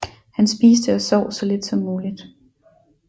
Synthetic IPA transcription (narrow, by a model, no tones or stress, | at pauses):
hænsb̥iːsd̥əæsɒʊ̰sɒ̽le̝d̥sɒ̽mːuːlid̥